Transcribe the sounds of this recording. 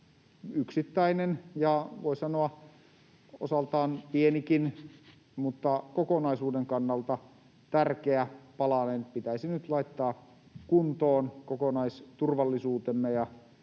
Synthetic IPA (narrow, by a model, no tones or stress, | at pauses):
yksit̪ːæinenjɑʋoisɑnoɑ | o̰sɑlt̪ɑːnpienikin | mut̪ːɑkokonɑisuːdeŋkɑnːɑlt̪ɑ | t̪ærkeæpɑlɑnenpit̪æisinyt̪lɑit̪ːɑː | kunt̪oːnkokonɑist̪urʋɑlːisuːt̪emːejɑ